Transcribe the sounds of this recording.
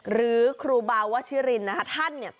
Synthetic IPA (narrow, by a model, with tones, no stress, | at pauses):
ɾɯː˩˦kʰɾuː˧baː˧wa˦˥t͡ɕʰiː˦˥ɾi˧nːa˦˥kʰa˦˥t̪ʰa˥˩nːi˥˩ɐ